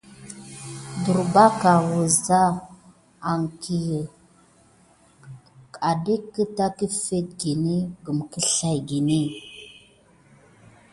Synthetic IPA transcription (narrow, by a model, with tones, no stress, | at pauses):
du˨ɾba˦ka˨wə˨za˦ | a˨ŋkʰi˨jə˨ | ka˨de˦kːə˦ta˦kə˦fe˦t̚ɡi˨ni˦ɡə˨m˨kə˦ɬa˨jɡi˨ni˦˨